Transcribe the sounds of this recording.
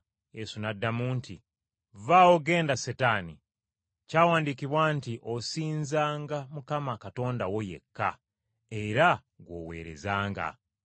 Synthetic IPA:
jesunadːamuːntʰi | vawo̞ɡe̞ːndasetanḭ | caːwaːndikiβwantiʔosiːnzaːŋɡamukamakato̞ːndawo̞je̞̰kːa̰ | e̞ɾa | ɡwo̞̰ːwe̞̰ːɾe̞̰zaːŋɡa̰

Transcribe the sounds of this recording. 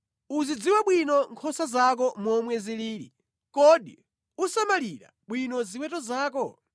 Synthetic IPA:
uzid͡ziwaɓwinɔŋkʰɔsazak̬ɔmɔmwɛziliːɾḭ | kɔɗḭ | usamaliɾa̰ɓwinɔziwɛtɔzaːkɔ

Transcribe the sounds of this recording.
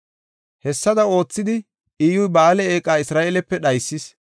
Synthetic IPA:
hɛsːɐd̪ɐo̞ːt͡sːɪd̪ɪ | iːjʊjbaːlɛeːkʼaːɪsɾaːʔeːlɛpːɛɗɐjsːɪs

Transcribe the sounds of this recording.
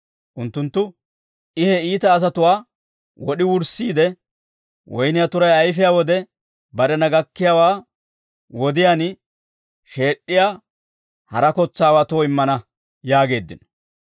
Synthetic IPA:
ʔʊnt̪ːʊnt̪ːʊ | ɪhɛiːt̪ɐːs̬ɐt̪ʊwaː | wɔɗɪwʊɾsiːd̪ɛ | wʔɔjnɪjat̪ʊɾɐjɐjfɪjaːwɔd̪ɛ | bɐɾɛnɐɡɐkːɪjaːwaː | wɔd̪ɪjaːn | ʃe̞ːɗːɪjaː | hɐ̰ɾɐkɔt͡sːaːwaːt̪oːɪmːɐnɐ | jaːɡe̞ːd̪ːɪ̰nɔ̥

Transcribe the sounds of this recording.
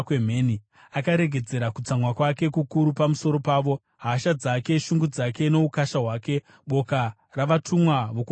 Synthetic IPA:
kem̤eːni | akaɾe̞ɡʱe̞d͡ze̞ɾakut͡samwakwake̞kukuɾupamuso̞ɾo̞paːʋo̞ | ɦaʃad͡zake̞ʃuŋɡud͡zake̞no̞ukaʃaɦwaːke̞ | ɓo̞ka | raʋatumwaʋoku

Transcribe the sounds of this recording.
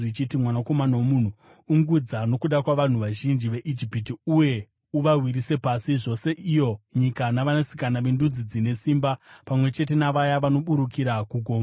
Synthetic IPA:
it͡ʃitimwanako̞manawomun̤u | uŋɡud͡zano̞kuɗakwaʋan̤uʋaʒind͡ʒiʋe̞ʔid͡ʒipitiuje̞ | uʋarwiɾise̞pasiʐo̞se̞ʔijo̞ɲikanaʋanasi̥kanaʋendud͡zid͡zine̞siːmbapamwe̞t͡ʃe̞t̬e̞naʋajaʋano̞ɓuɾukiɾakuɡʱo̞ːma

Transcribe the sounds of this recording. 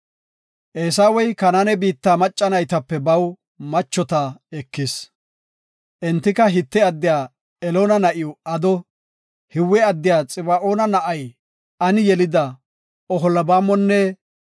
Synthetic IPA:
ʔeːsaːwɔjkɐnanɛbiːt̪ːaːmɐt͡ʃʼːɐnɐjt̪ɐpːɛbɐw | mɐt͡ʃːɔt̪ɐɛkːɪs | ʔɛnt̪ːɪkɐɦɪt̪ːɛɐd̪ːɪjaː | ɛloːnɐnɐʔɪjɔɐd̪ɔ | hɪwːɛɐd̪ːɪjaːt͡sʼɪbɐʔoːnɐnɐʔɐj | ɐnɪjɛlɪd̪ɐ | ɔɦɔlɐbaːmːɔnːɛ

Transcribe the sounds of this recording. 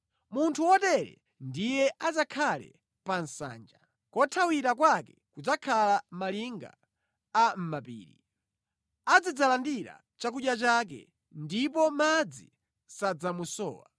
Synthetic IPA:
muntʰuwɔtɛɾɛ̰ | ndijɛʔad͡zakʰalɛ̰ | pansa̰ːnd͡ʒa | kɔtʰawiɾakwakɛkud͡zakʰalamaliŋɡa̰ː | m̩mapḭːɾḭ | ad͡zid͡zalandiɾa̰ | t͡ʃak̬uɗjat͡ʃak̬ɛ̰ | ndipɔmad͡zi | sad͡zamusɔ̰ːwa̰

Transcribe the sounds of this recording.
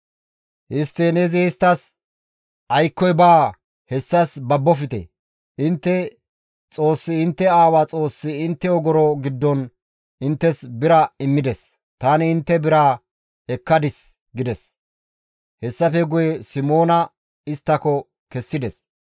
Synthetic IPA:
ʔɪst̪ːɛnɛzɪɪst̪ːɐs | ʔɐjkːɔjbaː | hɛsːɐsbɐbːɔfɪt̪ɛ̰ | ʔɪnt̪ːɛ | t͡sʼo̞ːsːɪɪnt̪ːɛaːwat͡sʼo̞ːsːɪɪnt̪ːɛɔɡɔɾɔɡɪd̪ːɔn | ɪnt̪ːɛsbɪɾɐɪmːɪd̪ɛs | t̪aːnɪɪnt̪ːɛbɪɾaː | ɛkːɐd̪ɪs | ɡɪd̪ɛs | hɛsːɐfɛɡʊjɛsɪmo̞ːnɐ | ɪst̪ːɐkɔ | kɛsːɪd̪ɛs

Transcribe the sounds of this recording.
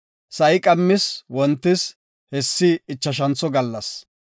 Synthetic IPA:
sɐjɪkʼɐmːɪswɔnt̪ːɪs | hɛsːɪːt͡ʃːɐʃ̬ɐnt͡sɔɡɐlːɐs

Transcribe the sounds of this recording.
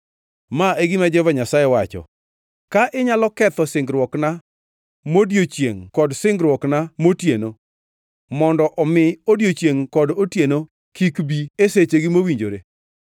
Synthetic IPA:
maeɡɪmad͡ʒɛvaɲasajɛwat͡ʃɔ̰ | kaʔɪɲalɔkɛt̪ɔsɪŋɡɾwɔkna | modjot͡ʃjḛŋkɔdsɪŋɡɾwɔknamotjeno | mɔndɔʔɔmɪodjot͡ʃjeŋkɔdotjeno | kikbieset͡ʃeɡɪmowiɲd͡ʒo̰ɾe

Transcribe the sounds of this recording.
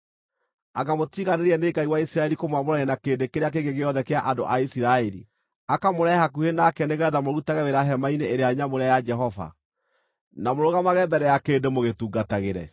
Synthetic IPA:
aɡamotiɣaneɾiɛneɡaiwaisiɾaɛɾikomwamoɾajɛnakendekeɾeak̬eɡeɣeɔðɛkeaʔando̰ʔaisiɾaɛɾḭ | akamoɾɛhakuhenakɛneɣɛðamoɾutaɣɛweɾaɦɛmaineːɾeaɲamoɾeajad͡ʒɛɦɔva̰ | namoɾoɣamaɣɛmbɛɾɛjakeːndemoɣetuːɡataɣeɾɛ̰

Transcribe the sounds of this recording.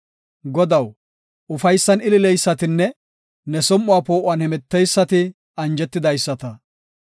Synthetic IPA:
ɡɔd̪ɐw | ʊfɐjsːɐnɪlɪlɛjsːɐt̪ɪnːɛ | nɛsɔmːʊaːpo̞ːʔʊaːnhɛmɛt̪ːɛjsːɐt̪ɪ | ɐnd͡ʒɛt̪ːɪd̪ɐjsːɐt̪ɐ

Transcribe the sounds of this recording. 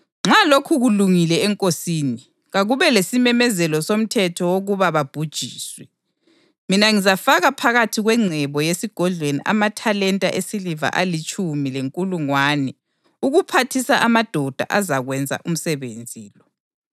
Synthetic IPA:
ŋ͡ǁalokʰuɣuluŋilɛɛŋkʼosiːni | ɣaɣuβɛlesimɛmɛzɛlɔsom̩tʰɛtʰɔwoɣuβaβab̥ʱud̥ʒ̥ʱiːswɛ | minaŋizafaɣapʰaɣatʰiɣwɛŋ͡ǀʱɛβɔjesiɡ̥ʱɔɮʱwenḭʔa̰matʰalɛntʼa̰ʔesiliva̰ʔalit͡ʃʼumileŋkʼuluŋwaːnɛ | uɣupʰatʰisaʔamad̥ʱɔd̥ʱa̰ʔazaɣwɛnd͡zʱa̰ʔum̩sɛβend͡zʱiːlɔ

